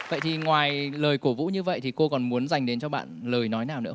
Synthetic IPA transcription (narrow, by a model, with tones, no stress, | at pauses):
və̰˧˨jt̪ʰi˨˩ŋwaː˨˩jləː˨˩jku˧˩əvṵ˧˥ɲɨ˧və̰˧˨jt̪ʰi˨˩ko˧kɔ˨˩nmu˨˦ənza˨˩jŋ̟ɗe˨˦nt͡ɕɔ˧ɓa̰ː˧˨nləː˨˩jnɔ˨˦jnaː˨˩wnɨ̰˧˥ə˦